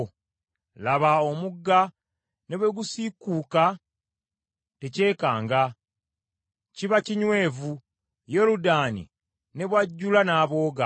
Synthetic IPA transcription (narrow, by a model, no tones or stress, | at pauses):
laβaomuɡːa | ne̞βweɡusikːuːka | te̞ce̞ːkaːŋɡa | ciβaciɲwe̞ːvu | jeɾudaːnḭ | ne̞βwaɟːulanaːβo̞ːɡa